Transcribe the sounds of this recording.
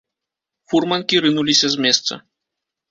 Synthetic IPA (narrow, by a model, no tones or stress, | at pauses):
furmɐnkʲiɾɨnulʲisʲɐzʲmʲɛst̪sɐ̰